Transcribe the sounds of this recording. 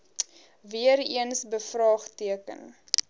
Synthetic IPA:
viəɾiənsbəfrɑːχtiəkə̰n

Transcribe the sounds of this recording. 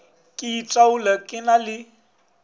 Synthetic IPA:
kʼɪitʼaulakʼɪnalɪ

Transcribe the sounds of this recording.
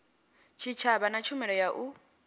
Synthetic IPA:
t͡ʃʰit͡ʃʰaβanat͡ʃʰumɛɺɔjaʔu

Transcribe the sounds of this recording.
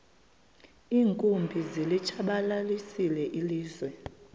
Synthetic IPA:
iːŋkʼumbʱizilit͡ʃʰaɓalalisilɛʔiliːzwɛ

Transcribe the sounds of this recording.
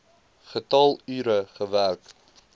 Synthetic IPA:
χətɑlˠyːɾəχəværk

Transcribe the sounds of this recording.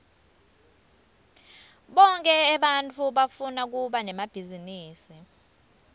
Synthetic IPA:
ɓɔŋkʼɛɛɓant͡fʰuɓafunak̬uɓanɛmab̥ʱiziniːsi

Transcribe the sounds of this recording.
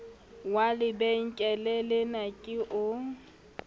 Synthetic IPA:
walɪbeŋ̩kʼɛlɛlɪnakʼɪʔʊ

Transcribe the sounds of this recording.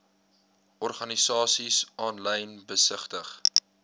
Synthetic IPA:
ʔɔrχɐnisɑːsisʔɑːnlɛjnbəsəχtəχ

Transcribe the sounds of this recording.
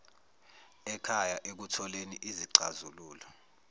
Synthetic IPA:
ɛkʰajaʔek̬utʰɔleniʔiziǀazuluːlɔ

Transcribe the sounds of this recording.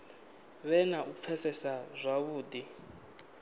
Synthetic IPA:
βɛnaʔufʰɛsɛsazʷaβuːdi

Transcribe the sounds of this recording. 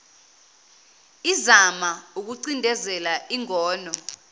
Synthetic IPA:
izamauk̬uǀindʱɛzɛlaiŋɔːnɔ

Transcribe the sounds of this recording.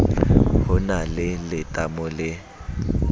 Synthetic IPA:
hʊnalɪlɪtʼamʊlɪ

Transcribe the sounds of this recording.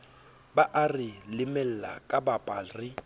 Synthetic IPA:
baʔarɪlɪmɛl̩la̰kʼabapʼaːrɪ

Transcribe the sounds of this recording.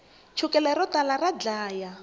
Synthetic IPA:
t͡ʃʰukɛlɛɾɔtalarad͡ɮaːja

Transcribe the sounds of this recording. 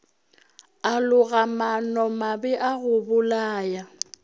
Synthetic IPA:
alʊɣamanɔmabɛʔaɣʊbʊlaːja

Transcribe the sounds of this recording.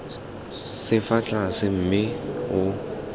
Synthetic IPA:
sɪfat͡ɬʼasɪm̩mɪʊ

